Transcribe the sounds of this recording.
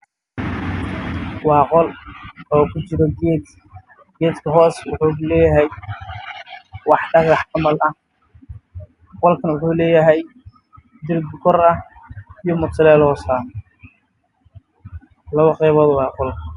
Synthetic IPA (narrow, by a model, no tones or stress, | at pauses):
wɑːqɔlɔːkʰʊt͡ʃɪɾɐɡɛd̪ | ɡɛːd̪kʰɐɦɔːswʊ̰ħuːlɛːjɐɦɛj | wɑħɖɐɣɑħɐmɐlɐh | qɔlkʰɐnwʊħuːlɛːjɐɦɛj | d̪ɪɾɡkʰɔrɐijɔmʊt̪ɐlɛːlhɔːsaː | lɐβɐqɛːβɔðɐwɑːqɔlkʰɐ